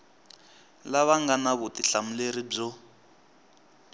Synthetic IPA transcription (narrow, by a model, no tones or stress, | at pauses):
laβaŋɡanaβutiɬamuleɾib͡ʐɔ